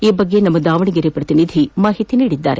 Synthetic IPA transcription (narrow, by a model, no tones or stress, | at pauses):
iːbɐɡːenɐmːɐd̪aːʋɐɳiɡeɾepɾɐt̪inid̪ʱimaːɦit̪iniːɽid̪ːa̰ːɾe